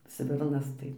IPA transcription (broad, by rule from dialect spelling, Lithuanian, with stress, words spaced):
ˈsʲʋʲɪrnɐs ˈtɐɪ